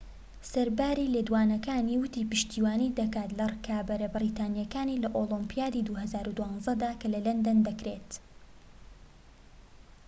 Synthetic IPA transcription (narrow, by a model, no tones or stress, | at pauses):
sɐɾbaːɾiːled̪waːnɐkaːniːwʊt̪iːpɨʃt̪iːwaːnid̪ɐkaːt̪lɐrkabɐɾɐbɨɾiːt̪aːnijɐkaːniːlɐʔoːlɔmpijaːd̪id̪uhɐzaːɾud̪uwɑːnzɐd̪aːkɐlɐlɐnd̪ɐnd̪ɐkɾet̪